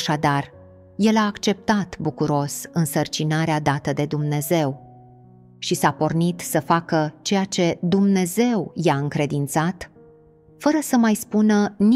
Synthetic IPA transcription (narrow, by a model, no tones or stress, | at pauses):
ʃad̪ar | je̞laːkt͡ʃe̞p̚t̪at̪bukuɾo̞sɨnsərt͡ʃinaɾead̪at̪əd̪e̞d̪umne̞ze̞w | ʃisapo̞rnit̪səfakət͡ʃe̞jat͡ʃe̞d̪umne̞ze̞wjaɨŋkɾe̞d̪int̪sat̪ | fəɾəsəmajspunən